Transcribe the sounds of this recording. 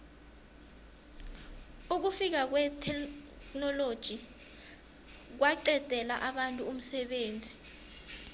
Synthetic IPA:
uk̬ufik̬ak̬wɛtʰɛ | knɔlod̥ʒ̥ʱi | k̬waǀɛd̥ʱɛlaʔaɓantʼuum̩sɛɓeːnd͡zʱi

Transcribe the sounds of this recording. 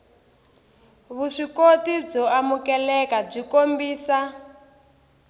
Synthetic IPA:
βuʂikotib͡ʐɔamukɛlɛkab͡ʐikombiːsa

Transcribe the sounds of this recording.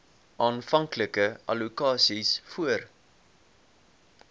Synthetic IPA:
ʔɑːnfɐŋkləkəʔɐ̰lukɑːsisfuər

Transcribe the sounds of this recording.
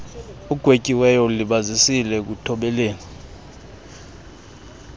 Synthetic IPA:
uɡ̥ʱwekʼiwɛjɔliɓazisilɛk̬utʰɔɓɛleːni

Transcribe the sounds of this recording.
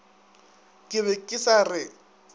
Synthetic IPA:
kʼɪβɛkʼɪsarɪ

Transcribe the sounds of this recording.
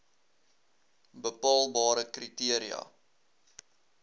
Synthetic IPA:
bəpɑːlˠbɑːɾəkritiəɾiɐ̰

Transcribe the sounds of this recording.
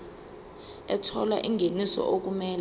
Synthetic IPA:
ɛtʰɔla̰ʔiŋʱenisɔ̰ʔok̬umɛːl

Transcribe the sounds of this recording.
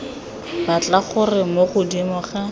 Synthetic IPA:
bat͡ɬaχʊrɪmoχʊdimʊχa

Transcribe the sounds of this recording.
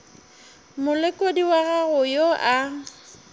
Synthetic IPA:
mʊlɪkʼodiwaɣaɣʊjoʔa

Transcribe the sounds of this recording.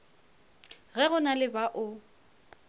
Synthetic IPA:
ɣɛɣʊnalɪbaʔʊ

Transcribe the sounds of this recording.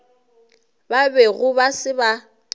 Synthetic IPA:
babɛɣʊbasɪba

